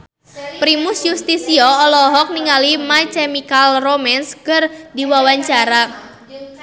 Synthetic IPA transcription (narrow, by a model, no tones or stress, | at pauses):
pɾimʊsjust̪isiɔɔlɔɦɔk̚niŋalimat͡ʃɛmikalromɛnskərdiwawaɲt͡ʃaɾa